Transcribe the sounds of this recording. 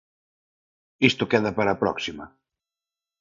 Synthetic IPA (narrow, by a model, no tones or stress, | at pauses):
ist̪ʊkɛðɐpaɾapɾɔ̰ksimɐ̰